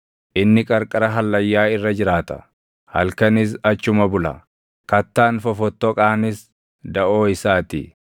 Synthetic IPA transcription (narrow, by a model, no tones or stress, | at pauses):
ʔɪnːɪkʼɐɾkʼɐɾɐɦɐlːɐjːaːɪrːɐd͡ʒɪɾaːt̪ɐ̥̰ | hɐ̰lkɐnɪs̬ɐt͡ʃːʊmɐbʊlɐ̰ | kɐt̪ːaːnfɔfɔt̪ːɔkʼaːnɪs | d̪ɐʔo̞ːɪsaːt̪ɪ̰